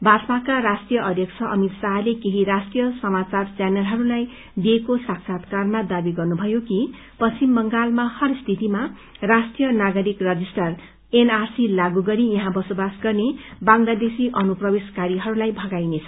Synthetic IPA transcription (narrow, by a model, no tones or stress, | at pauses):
bat͡smakaɾasʈijʌʔʌd̪ʱjʌkt͡sʰʌʔʌmit̪saɦlekeɦiɾasʈijʌsʌmat͡sart͡sjanelɦʌɾulaj | d̪iekosaksʰat̪karmad̪abiɡʌrnubʱʌjoki | pʌimbʌŋɡalmahʌrst̪ʰit̪ima | rasʈijʌnaɡʌɾikrʌd͡zisʈʌr | enarsilaɡuɡʌɾijʌɦãbʌsobasɡʌrnebaŋlad̪esiʔʌnuprʌbeskaɾiɦʌɾulajbʱʌɡajnet͡sʰʌ̥